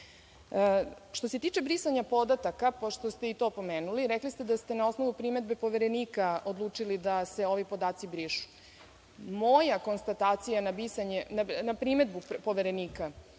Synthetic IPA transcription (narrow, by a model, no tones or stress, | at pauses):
ʃt̪o̞se̞t̪iːt͡ʂe̞bɾisaɲapo̞d̪at̪akapoʃt̪ost̪eit̪o̞po̞meːnuliɾɛklist̪ed̪ast̪e̞nao̞sno̞ʋupɾime̞d̪be̞po̞ʋeɾe̞niːkaod̪lˠuːt͡ʂilid̪ase̞o̞ʋipo̞d̪aːt̪sibɾiʃu̥ | mojako̞nst̪at̪aːt̪sijanabisaɲenanapɾime̞d̪bupo̞ʋeɾe̞niːka